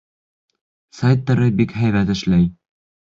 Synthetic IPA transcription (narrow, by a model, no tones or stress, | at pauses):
sajt̪ːɑɾɤbikhæjβæt̪ɘ̆ʃlæj